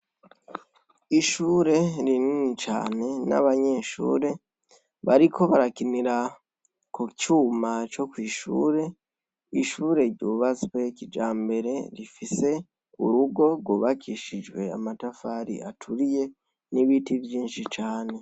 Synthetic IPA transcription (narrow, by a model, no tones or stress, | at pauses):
iʃuːɾe̞ɾininit͡ʃa̰ːne̞na̰βaɲe̞ʃṵːɾe̞ | βaɾikʰo̞βaɾakiniɾa | kocuːmat͡ʃo̞kwiːʃṵːɾe̞ | iʃuːɾe̞ɾɟuβazwe̞cid͡ʒaːmbe̞ɾe̞ɾifise̞ | ṵɾuɡo̞ɡwoβakʰiʃid͡ʒwe̞a̰matafaːɾḭa̰tʰuɾije̞ | niβitivjiːnʃit͡ʃaːne̞